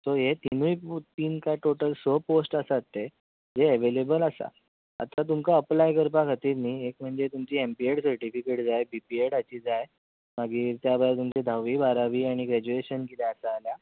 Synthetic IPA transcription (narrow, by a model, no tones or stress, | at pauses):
t̪oɦet̪inujpt̪iːnkaʈoʈəlsoposʈasat̪ːe | d͡zeəʋelebəlasa̰ | a̰t̪at̪̬umkaəplajkəɾpakat̪iːɾniːek̚m̤əɳd͡zet̪umt͡ɕiːempieʈsəɾʈifikeʈd͡zajbipieɽat͡ɕiːd͡zaj | maɡiːɾt̪jabəjat̪umt͡ɕed̪ʱaʋiːbʱaɾaʋiːaɽ̃iɡɾɛd͡ʑueɕənkit̪eəsaːlja